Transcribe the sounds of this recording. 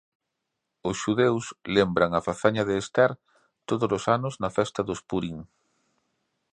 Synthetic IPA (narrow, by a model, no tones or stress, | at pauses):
ʊsʃuðewslembɾaŋafaθaɲɐðeːst̪ɛɾ | t̪oðolosanʊznɐfɛst̪ɐðʊspuɾiŋ